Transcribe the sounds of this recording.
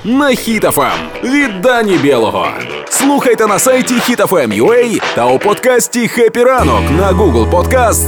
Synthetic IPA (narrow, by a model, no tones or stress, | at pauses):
nɐxʲit̪ɛfɛ̰m | vʲɪd̪anʲɪbʲelˠəɣə̰ | slˠuxəjt̪ənɐsajtʲɪxʲit̪ɛfɛmjʊɛjt̪aʊpɔt̪kasʲtʲɪxɛpʲɪɾanɔknɐɡuɡəlˠpɔt̪kast̪